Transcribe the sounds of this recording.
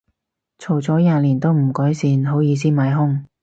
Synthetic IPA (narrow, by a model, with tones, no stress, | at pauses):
t͡sʰo˨˩wt͡sɔː˨˥jaː˨˧liː˨˩nt̪o˥wm̩˨˩kɔː˨˥jsiː˨˧nɦo˨˥wjiː˨˧s̬iː˥maː˨˧˥jɦʊ˥ŋ